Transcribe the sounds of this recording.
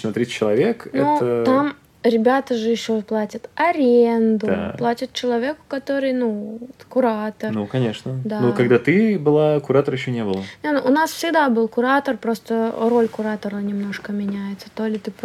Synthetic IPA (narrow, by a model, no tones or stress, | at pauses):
nɐt̪ɾʲist͡ɕːɪlˠɐvʲeknɛ̰ot̪ət̪am | ɾʲɪbʲat̪əʐɨjɪɕːoplˠatʲɪt̪ɐɾʲend̪ʊplˠatʲɪt̪̚t͡ɕɪlˠɐvʲe̞kʊ̥kɐt̪o̞ɾɨjnukʊɾat̪ərnukɐnʲeʂnəd̪anukɐɡd̪at̪ɨbɨlˠakʊɾat̪əɾjɪɕːonʲebɨlˠənʲenoʔʊnasfsʲɪɡd̪abɨlˠkʊɾat̪ərpɾo̞st̪əro̞lʲkʊɾat̪əɾənʲɪmno̞ʂkəmʲɪnʲæjɪt̪sə̥t̪o̞lʲɪt̪ɨp